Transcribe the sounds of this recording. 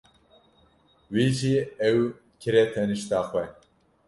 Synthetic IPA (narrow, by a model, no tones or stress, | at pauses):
wiːʒiɛw | kʰɨɾet̪ʰɛnɨʃt̪aːxʷɛ